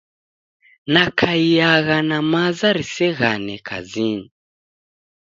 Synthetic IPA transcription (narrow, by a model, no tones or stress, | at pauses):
nakʰaijaɣanamazaɾisɛɣanɛkʰa̰zini